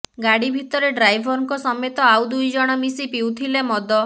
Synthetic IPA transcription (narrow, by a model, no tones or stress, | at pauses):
ɡaɽibʱit̪ɔɾeɖɾajbʱɔɾɔŋkɔsɔmet̪ɔawd̪ujd͡ʒɔɽ̃ɔmisipiwt̪ʰilemɔd̪ɔ